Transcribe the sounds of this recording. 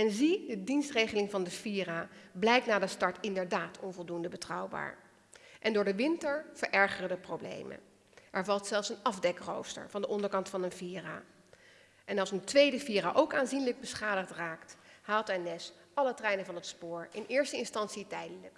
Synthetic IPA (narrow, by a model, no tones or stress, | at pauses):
ɛnzidədinstrejχəlɪŋvɑndəfiːrablɛjk̚tnaːdəstɑɹtɪndəɹdaːtʰɔnvɔlˠdundəbətrɑwba̰ːɹ | ʔɛndʊːɹdəʋɪntəɹv̥əɹʔɛɹχərədəprowblḛjmə̰ | ʔɛɹvɑlˠtsɛlˠfsənɑvdɛkro̰wstə̰ɹvɑndəʔɔndəɹkɑntfɑnənviːra | ʔɛnɑlˠsəntʋejdəfiːraʔowkaːnzinləɡ̚bəsχaːdəχtraːkthaːlˠtɛnɛs | ʔɑlətrɛjnənvɑnɦətspʊːɹɪnɪːɹstəɪnstɑnsitɛjdələk